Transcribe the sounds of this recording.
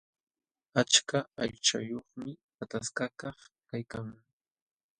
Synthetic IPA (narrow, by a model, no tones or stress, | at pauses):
at͡ʃkaaʎt͡ʃa̰joχmɪ | at̪askakɑχkajkaŋ